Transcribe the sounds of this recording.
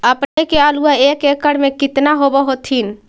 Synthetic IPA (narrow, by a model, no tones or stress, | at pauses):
əpnekealuaekekːəɽmẽkɪt̪naɦobəɦot̪ɦin